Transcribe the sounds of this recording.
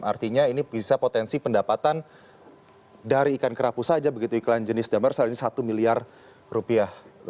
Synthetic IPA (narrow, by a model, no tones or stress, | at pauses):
a̰rt̪iɲainibisapot̪ɛnsipəndapat̪an | daɾiːkankəɾapusad͡ʒabəɡit̪uikland͡ʒənɪsdamərsalinisat̪umiliar | rupiah